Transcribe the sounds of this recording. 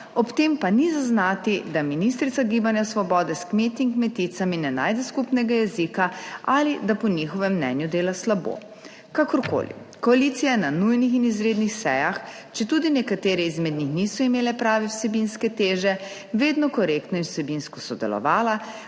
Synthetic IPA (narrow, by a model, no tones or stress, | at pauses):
ɔpt̪empanizaznaːt̪id̪aminist̪ɾit̪saɡiːbanjasʋɔbɔːd̪ɛskmeːt̪iŋkmɛt̪it̪saminɛna̰ːjd̪ɛskupnɛɡajɛzikaʔalid̪apɔnixɔʋɛmːnɛ̰njud̪eːlaslabo̰ | kakɔɾko̰ːlḭ | kɔalit̪sijajɛnanujnixinizɾeːd̪nixsɛ̰jax | t͡ʃɛt̪ud̪inɛkat̪eːɾɛizmɛd̪nixnisɔimeːlɛpɾaːʋɛwsɛbinskɛt̪eːʒɛ | ʋeːd̪nɔkɔɾekt̪nɔinwsɛbinskɔsɔd̪ɛ̰lɔ̰ʋaːla